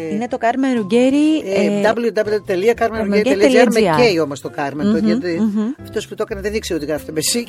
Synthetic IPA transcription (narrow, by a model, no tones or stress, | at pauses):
inet̪o̞kɐɾmenɾuɟeɾiedɐbljud̪ɐblut̪eliɐkɐɾmenɾumeeieeleliɐɾmeeio̞most̪okɐɾmenoit̪iɐft̪o̞sput̪o̞kɐneðenikseot̪iɣɾɐfi̥t̪obesi